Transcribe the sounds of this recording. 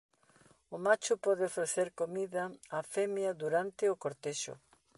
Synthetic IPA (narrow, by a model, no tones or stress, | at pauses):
ʊmat͡ʃʊpɔðɪofɾeθeɾkomiðɐafɛmjɐðuɾant̪ɪʊkoɾt̪eʃʊ̰